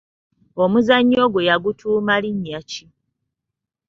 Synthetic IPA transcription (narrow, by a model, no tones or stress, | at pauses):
omuzaɲːo̞ːɡwejaɡutʰuːmaliɲːaci